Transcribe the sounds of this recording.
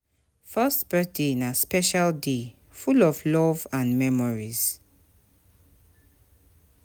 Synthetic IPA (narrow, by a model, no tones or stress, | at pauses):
fɜstb̥ɛθdenaspɛʃalde | fulɔvlɔvãnmɛmɔɹiz̥